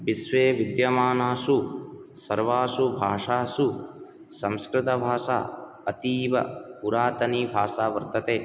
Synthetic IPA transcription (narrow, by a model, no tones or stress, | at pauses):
bisʋeːʋid̪jɐmaːnaːsusɐɾʋaːsubʱaːʂaːsu | sɐ̃mskɾɪt̪ɐbʱaːʃa̰ː | ɐt̪iːʋɐ̰puɾaːt̪ɐniːbʱaːʃaːʋɐɾt̪ɐt̪eː